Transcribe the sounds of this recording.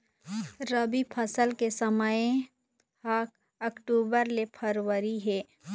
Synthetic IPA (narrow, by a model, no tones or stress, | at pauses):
ɾəbipʰəsəlkesəmə | haːk̚ | ɐkʈuːbəɾlepʰəɾwəɾiɦɛː